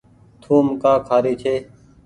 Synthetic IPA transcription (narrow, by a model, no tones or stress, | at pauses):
t̪ʰuːmkaːkʰaːɾiːt͡ʃʰeː